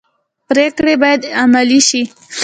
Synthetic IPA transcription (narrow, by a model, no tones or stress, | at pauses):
pɾekɽebɑjad̪amaliʃi